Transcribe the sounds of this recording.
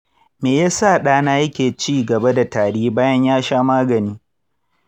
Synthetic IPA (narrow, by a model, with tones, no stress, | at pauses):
meː˨jaː˦saː˦˨ɗaː˦naː˦jɐ˦kʲeː˨t͡ʃiː˦ɡɐ˨ba˦da˨taː˨ɽiː˦baː˦jɐ˦ɲjaː˦ʃaː˦maː˦ɡɐ˨niː˦